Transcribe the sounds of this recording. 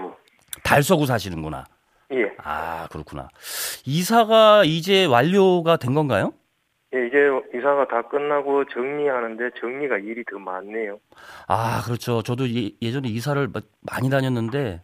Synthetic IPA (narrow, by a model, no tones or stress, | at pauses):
ɡo | taɭs̬͈ʌɡos̬ʰaɕʰinɯnɡʌna̰ | je̞a̰kɯɾʌkʰuna̰isʰaɡaid͡ʑe̞waʎːoɡadwe̞nɡʌnɡajo | je̞iɡe̞isʰaɡatak͈ɯnːaɡot͡ɕɯŋɲiɦanɯnde̞t͡ɕɯŋɲiɡaiɾitɯmanːe̞jo | akɯɾʌt͡ɕʰot͡ɕʌdoje̞d͡ʑʌne̞isʰaɾɯɭ | ma̰ɲidaɲʌnːɯnde̞